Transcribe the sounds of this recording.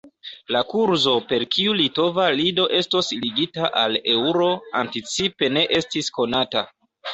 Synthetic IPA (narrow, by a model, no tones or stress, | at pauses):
lakuɾzo̞pe̞lkʰiulito̞valido̞ʔe̞stosliɡitaʔale̞wɾo̞a̰ntit͡sipe̞ne̞ʔe̞stisko̞nata̰